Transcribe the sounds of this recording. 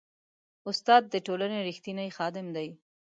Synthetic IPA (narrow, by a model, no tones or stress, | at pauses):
ʊst̪ɑd̪̚ːəʈolaneɾixt̪inəjxɑd̪ɪmd̪aj